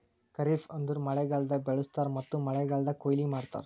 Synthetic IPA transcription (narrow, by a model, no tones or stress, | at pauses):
kɐɾiːfɐnd̪uɾmɐɭɛɡɐɭd̪ɐbɛɭust̪aːɾmɐt̪ːumɐɭɛɡɐɭd̪ɐkojlimaːɽt̪a̰ɾ